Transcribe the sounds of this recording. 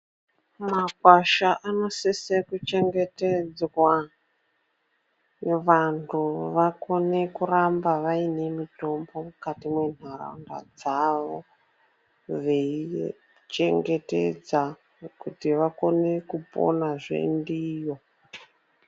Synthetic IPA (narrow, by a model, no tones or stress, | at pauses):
makwaʃaʔano̞sesekut͡ʃe̞ŋɡe̞ted͡zwa | ʋantʰuʋako̞ne̞kurambaʋaine̞mito̞mbo̞mukatimwe̞n̤ara̰nda̰d͡zaʋo | ʋei | t͡ʃe̞̰ŋɡe̞te̞̰d͡za | kutiʋako̞ne̞kupo̞̰naʐḛndiːjo̞